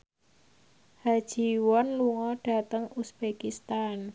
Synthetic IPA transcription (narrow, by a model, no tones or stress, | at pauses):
had̥ʒ̥i̤wɔnluŋɔɖ̥a̤t̪əŋusb̥ekist̪an